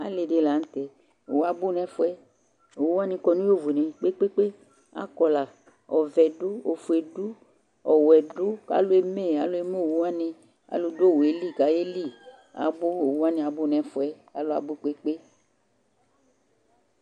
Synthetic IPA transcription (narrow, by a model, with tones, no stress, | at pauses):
a̰˨˦le˧de˧la˨˦n̩˦tɛ˨ | o˨˦a˧bu˦˨nɛ˦fu˦ɛ˦ | o˨wa˦nĩ˧kɔ˧nũ˦o˦˨vu˨nẽ˨k͡pe˦k͡pe˦k͡pe˦ | a̰˦kɔ˧la˨ | ɔ˨vɛ˨dʊ˦o˨fu˨e˨du˦ | ɔ˨wɛ˨dʊ˦ka̰˨˦lo˦e˧me˦˨a˨˦lo˦e˧mo˦˨wu˨˦a˦nĩ˧ | a̰˨lu˧do˦˨wo˨e˨li˦˨ka˨˦je˦li˦˨ | a̰˨bʊ˦o˨wu˦a˦nĩ˧a˧bʊ˦nɛ˨fu˧ɛ˦ | a˨˦lo˧˦a̰˧˨bʊ˦˨k͡pe˦k͡pe˦